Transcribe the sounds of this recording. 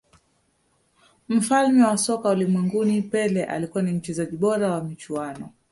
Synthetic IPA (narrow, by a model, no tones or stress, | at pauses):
m̩falmɛwasɔkaulimwɛŋɡunipɛlɛʔa̰likuwanim̩t͡ʃɛzaʄiɓɔɾawamit͡ʃuanɔ